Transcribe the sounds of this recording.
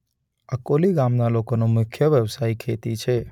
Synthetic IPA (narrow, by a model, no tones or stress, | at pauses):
əkoliɡamnalokonomʊkʰjəʋjəʋsaikʰet̪it͡ʃʰe